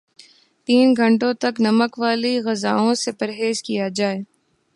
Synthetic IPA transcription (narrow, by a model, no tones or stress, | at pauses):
t̪iːnɡʱɐ̃ɳʈõt̪ɐknɐməkʋaːliɣɐza̰ːõsepɐɾɦeːzkijad͡ʒaːeː